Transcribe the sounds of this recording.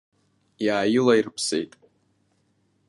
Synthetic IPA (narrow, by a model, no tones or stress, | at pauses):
jaːjɪlairɨpʰsḛjtʼ